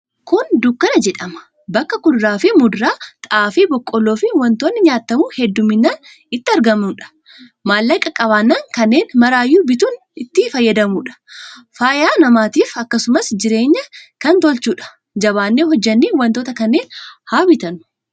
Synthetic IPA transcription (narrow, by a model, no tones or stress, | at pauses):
kʊnd̪ʊkːɐnɐd͡ʒɛᶑɐmɐ̥ | bɐkːɐkʊd̪ɾaːfɪmʊd̪ɾaːt̪ʼɐaːfibɔkʼːɔlːoːfɪwɐnt̪oːnːɪɲaːt̪ːɐmuhɛd̪ːʊmːɪnːaːn | ɪt̪ːɪɐɾɡɐmnʊᶑɐ̥ | maːlːɐkʼːɐkʼɐβaːnːaːŋkɐnːeːnmɐɾaːjːuːbɪt̪uːn | ɪt̪ːɪfɐjːɐd̪ɐmuːᶑɐ̥faːjaːnɐmaːt̪iːfɐkːɐsʊmɐsd͡ʒɪɾe̞ːɲːɐkɐnt̪ɔlt͡ʃuːᶑɐ̥ | d͡ʒɐβaːnːeːɦɔd͡ʒːɐnːiːwɐnt̪oːt̪ɐkɐnːeːnhaːbɪt̪ɐnʊ̥